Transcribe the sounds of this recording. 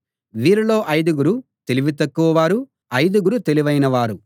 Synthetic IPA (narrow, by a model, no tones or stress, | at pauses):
ʋiːɾilo̞ːʔɐjd̪ɐɡuɾut̪e̞liʋit̪̬ɐkːuʋɐʋaːɾu | ɐjd̪uɡuɾut̪e̞liʋɐjnɐʋaːɾu